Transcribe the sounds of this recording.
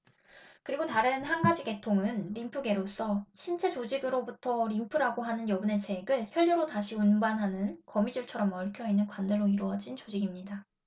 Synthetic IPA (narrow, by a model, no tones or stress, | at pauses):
kɯɾiɡotaɾɯnɦanɡad͡ʑiɡe̞tʰoŋɯnɾimpʰɯɡe̞ɾos͈ʌɕʰint͡ɕʰe̞t͡ɕod͡ʑiɡɯɾobutʰʌɾimpʰɯɾaɡoɦanɯnjʌbɯne̞t͡ɕʰe̞ɡɯɭçjʌʎːuɾotaɕʰiunbanɦanɯnkʌmid͡ʑuɭt͡ɕʰʌɾʌmʌɭkʰjʌinːɯnkwandɯɭːoiɾoʌd͡ʑint͡ɕod͡ʑiɡimɲida